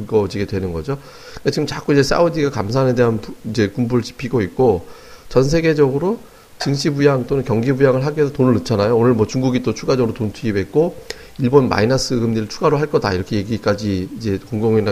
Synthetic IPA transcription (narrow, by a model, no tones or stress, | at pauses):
ɯɡʌd͡ʑiɡedwe̞nɯnɡʌd͡ʑo | kɯkat͡ɕiɡɯmt͡ɕak͈uid͡ʑe̞s͈ʰa̰udiɡakamsʰaːne̞de̞ɦanpid͡ʑe̞kumbuɾɯɭt͡ɕi̥pʰiɡoit̚k͈o | t͡ɕʌnsʰe̞ɡe̞d͡ʑʌɡɯɾo | t͡ɕɯŋɕʰibujaŋt͈onɯnkjʌŋɡibujaŋɯɭɦaɡesʰotonɯɭːɯt͡ɕʰanajoonɯɭmwʌt͡ɕuŋɡuɡit͈ot͡ɕʰuɡad͡ʑʌɡɯɾotontʰuibʱe̞t̚k͈o | iɭbonma̰inas͈ʰɯɡɯmɲiɾɯɭt͡ɕʰuɡaɾoɦaɭk͈ʌda̰iɾʌkʰe̞je̞ɡik͈ad͡ʑiːd͡ʑe̞koŋdoŋina